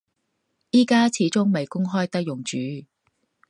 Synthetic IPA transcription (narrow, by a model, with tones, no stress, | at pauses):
jiː˥kaː˥t͡sʰiː˨˧˥t͡sʊ˥ŋme˨˩jkʊ˥ŋɦɔː˥jt̪ɐ˥k̚jʊ˨˩ŋt͡ʃyː˨˦